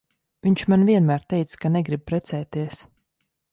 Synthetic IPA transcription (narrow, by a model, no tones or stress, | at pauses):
viɲʲt͡ʃmanviɛnmæːɾt̪ɛjt̪skanɛɡɾib̚pɾɛt̪sɛːt̪iɛs